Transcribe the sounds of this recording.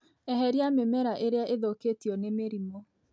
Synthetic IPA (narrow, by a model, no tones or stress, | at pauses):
ɛɦɛɾiamemɛɾaʔeɾeaʔeðoketiɔnemeɾimɔ